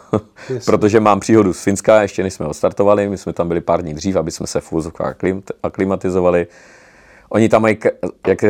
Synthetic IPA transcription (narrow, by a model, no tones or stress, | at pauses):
pɾo̞t̪oʒɛmaːmpr̥iːɦo̞dusfɪnskajɛʃcɛnɛʃsmɛotst̪aɾt̪ovalɪmɪsmɛt̪ambɪlɪpaːɾdɲiːd̪r̝iːfabɪsmɛsɛfuvozofka̰ːxlɪaklɪmat̪ɪzovalɪ | ʔo̞ɲɪt̪amːajkjak